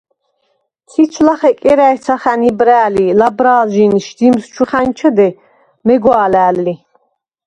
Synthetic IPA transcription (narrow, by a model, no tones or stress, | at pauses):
sʰit͡ʃʰlaχɛkʼɛɾaɛsʰaχænibɾæːlilabɾaːlʒinʃd̪imst͡ʃʰuχant͡ʃʰɔd̪ɛ | mɛɡwaːlæːlːi